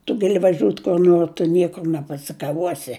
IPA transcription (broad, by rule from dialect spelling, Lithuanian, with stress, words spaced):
tʊ ɡɐˈlʲɪ ʋɐˈʒʲuːt kʊr ˈnoːr tʊ ˈnʲiɛkʊr nʲɛpɐsʲɪkɐˈʋuɔsʲɪ